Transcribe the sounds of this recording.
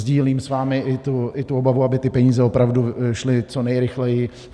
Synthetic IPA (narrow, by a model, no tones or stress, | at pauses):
zɟiːliːmsvaːmɪʔɪt̪uɪt̪uo̞bavuabɪt̪ɪpɛɲiːzɛo̞pɾavduʃlɪt͡sonɛjɾɪxlɛjɪ